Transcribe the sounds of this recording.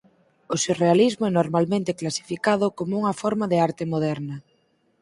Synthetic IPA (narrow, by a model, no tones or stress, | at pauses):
osewrealizmʊɛnoɾmalmẽnt̪eklasi̥fikaðʊkomouŋɐfɔɾmaðɪaɾt̪emoðɛɾnɐ